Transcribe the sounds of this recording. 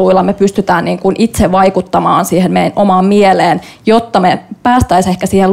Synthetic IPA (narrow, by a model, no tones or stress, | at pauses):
uilːˑɑmepyst̪yt̪æːnniːŋkunʔit̪seʋʋɑikut̪ːɑmɑːnsiːhemmejnomɑːmmieleːnjot̪ːɑmepæːst̪æisehkæsiːhel